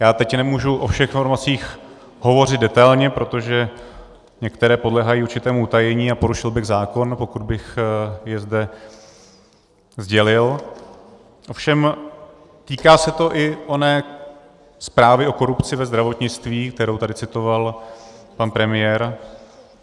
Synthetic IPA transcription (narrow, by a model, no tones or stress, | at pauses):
jaːt̪ɛcnɛmuːʒuʔofʃɛxnfoɾmat͡siːx | ɦo̞vo̞r̝ɪd̪̚dɛt̪ajlɲɛpɾo̞t̪o̞ʒɛ | ɲɛkt̪ɛɾɛːpodlɛɦajiːuɾt͡ʃɪt̪ɛːmuut̪ajɛɲiːapo̞ɾuʃɪlbɪɣzaːko̞npo̞kud̪̚bɪxjɛzdɛ | zɟɛlɪl | ʔo̞fʃɛm | t̪iːkaːsɛt̪o̞ʔɪʔonɛː | spɾaːvɪo̞ko̞ɾupt͡sɪvɛzd̪ɾavo̞t̪ɲɪt͡st̪viːk̚t̪ɛɾowt̪adɪt͡sɪt̪o̞valpanpɾɛmɪjɛːɾ